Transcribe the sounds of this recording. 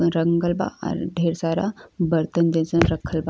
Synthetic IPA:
ɾɐŋɡəlba̰ɔ̰ːɾɖʱeːɾsaːɾabəɾt̪ənd͡ʒẽsə̃ɾɐkʰəlba

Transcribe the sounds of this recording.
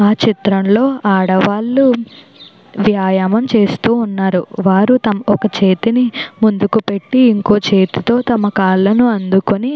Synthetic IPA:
aːt͡ʃit̪ɾɐmlo̞ːʔaːɽɐʋaːlːu | ʋjaːjaːmɐmt͡ʃe̞ːst̪uːnːaːɾuʋaːɾut̪ɐmɔkɐt͡ʃe̞ːt̪inimund̪ukupe̞ʈːiːŋko̞ːt͡ʃe̞ːt̪it̪o̞ːt̪ɐmɐkaːɭːɐnuɐnd̪ukoni

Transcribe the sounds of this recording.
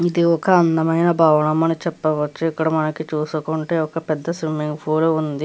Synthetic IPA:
id̪iɔkɐɐnd̪ɐmɐjnɐbʱaːʋɐnɐmɐnit͡ʃɛpːɐʋɐt͡ʃːuikːɐɽɐmɐnɐkit͡ʃuːsukuɳʈeːɔkɐpɛd̪ːɐsʋimːiŋɡpʰuːluund̪i

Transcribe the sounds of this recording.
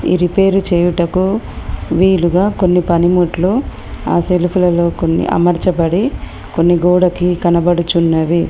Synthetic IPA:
ḭɾipe̞ːɾut͡ʃeːjuʈɐku | ʋiːluɡaːko̞nːipɐnimuːʈlu | a̰ːselupʰulɐlo̞ːkonːḭʔɐ̰mɐɾt͡ʃɐbɐɽi | ko̞nːiɡoːɽɐkikɐnɐbɐɽut͡ʃunːɐʋi

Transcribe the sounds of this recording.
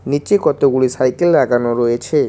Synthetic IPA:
nit͡ɕekɔt̪oɡuɭisajkelɾaɡanoɾoet͡ɕʰe

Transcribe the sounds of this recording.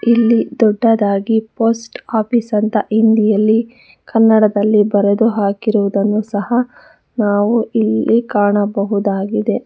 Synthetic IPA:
ilːid̪ɔɖːɐd̪aːɡipoːsʈaːpisɐnt̪ɐʔind̪ijɐlːi | kʰɐnːɐɽɐd̪ɐlːibɐɾed̪uɦaːkiɾuʋud̪ɐnːusɐɦɐ | naːʋuilːikaːɳɐbɐɦud̪aːɡid̪e̞

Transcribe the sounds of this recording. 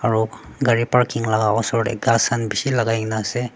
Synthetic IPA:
aɾu | ɡaɾipaɾkiŋlaɡaɔsɔɾḛɡasanbisilaɡajnase

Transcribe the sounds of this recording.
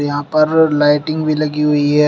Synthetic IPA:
jɐɦãpɐɾlaɪʈɪ̃ŋɡbʱilɐɡiɦʊiɦɛː

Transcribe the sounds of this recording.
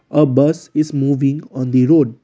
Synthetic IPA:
əbʌsɪzmuːʋɪ̃ŋɔ̃ːnd̪iɾoːɖ̚

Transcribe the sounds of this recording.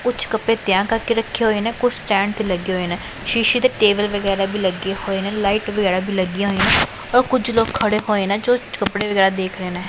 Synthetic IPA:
kʊt͡ʃʰkəpeːt̪ɪjãːkəɾkeɾəkʰːeːɦoːeːnɛːkʊt͡ʃʰsʈɛ̃ːɳɖ̚t̪eːləɡeːɦoːeːnɛː | ʃiːʃiːd̪eːʈeːʋəlʋəɡɛːɾaːbʱiːləɡeːhoːeːnɛ̃ːlaːiːʈʋəɡɛːɾaːbʱiːləɡiɦoːeːnɛː | ɔːɾkʊd͡ʒloːkʰːəɽeːɦoːeːnɛːd͡ʒoːt͡ʃkəpɽeːʋəɡɛːɾaːd̪eːkʰɾeːnɛ̃ː

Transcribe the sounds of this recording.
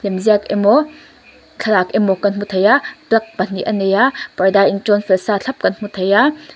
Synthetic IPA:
lemzijakemo | ɬʰɐɾakemokɐnmutʰɐjadɾɐk̚pɐniʔɐnejapɐjdaiŋtonpʰelsaɬʰɐp̚kɐnmutʰɐja

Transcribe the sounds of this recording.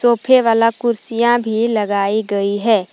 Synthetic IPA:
soːpʰeʋaːlakʊɾsijãbʱilɐɡaːiɡɐiɦɛː

